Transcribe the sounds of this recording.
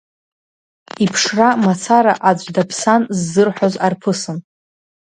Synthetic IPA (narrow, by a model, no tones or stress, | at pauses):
ipʰʂramat͡sʰaɾaʔad͡ʒʷʼdapʰsanzːɨrħʷozarpʰɨsɨn